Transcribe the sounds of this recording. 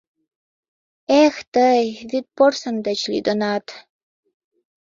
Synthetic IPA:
ext̪əjvit̪̚porsə̆nd̪ət͡ɕlḭd̪ənɑt̪

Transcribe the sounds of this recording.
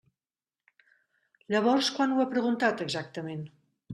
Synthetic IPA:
ʎəβ̞ɔɾskwanuapɾəɣunt̪at̪əɡzak̚t̪əmen

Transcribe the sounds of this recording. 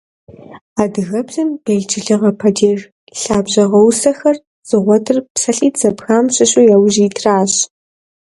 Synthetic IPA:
aːdɨɣɐbɮɨmbeːɮt͡ʃʰɪɮɨʁɐpʰɐdeːr | ɬaːbʑɐʁɐwsɐxɐr | z̥ɨʁʷɔtʰɨrpsɐɬʼiːt͡sɐbxaːmɕɪɕʼujawʒiːtʰraːɕ

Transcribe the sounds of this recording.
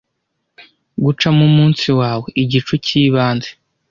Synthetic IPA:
ɡut͡ʃamumuːnsiwaːwe̞ʔiɟit͡ʃuciːβaːnze

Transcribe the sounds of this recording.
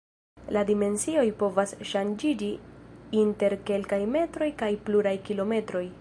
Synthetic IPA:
ladime̞nsio̞jpo̞vasʃand͡ʒid͡ʒiinte̞ɾke̞lkajme̞tɾo̞jkajpluɾajkilo̞me̞tɾo̞j

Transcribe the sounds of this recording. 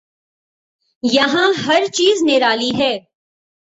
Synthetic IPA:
jɐɦãɦɐɾt͡ʃiːzneːɾaːliɦɛː

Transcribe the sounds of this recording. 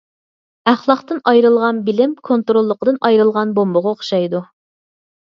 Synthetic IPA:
æχlˠɑqt̪ɨnɑjɾɨlˠʁɑnbɪlɪmkʰont̪ɾolˠːəqəd̪ɨnɑjɾɨlˠʁɑnbombʊʁɑoχʃɑjd̪u

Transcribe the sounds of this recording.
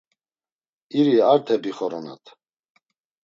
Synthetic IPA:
iɾiaɾt̪ʰɛbiχɔɾɔna̰t̪ʰ

